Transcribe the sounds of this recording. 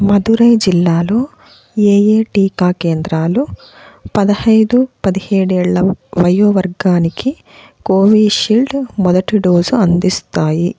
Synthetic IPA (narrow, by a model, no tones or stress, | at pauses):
mɐd̪uɾɐjd͡ʒilːaːlo̞ː | eːjeːʈiːkaːkeːnd̪ɾaːlu | pɐd̪ɐhɐjd̪upɐd̪iheːɽɛːɭːɐʋɐjoːʋɐɾɡaːniki | koːʋiːʃilɖmɔd̪ɐʈiɖoːzuɐnd̪ist̪aːji